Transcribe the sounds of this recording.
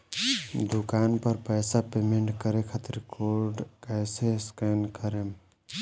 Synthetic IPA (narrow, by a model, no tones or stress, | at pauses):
d̪ʊkaːnpəɾpəːsapeːmeɳʈkəɾekʰat̪ɾkʰoːɾɖkɛːseskeːnkəɾe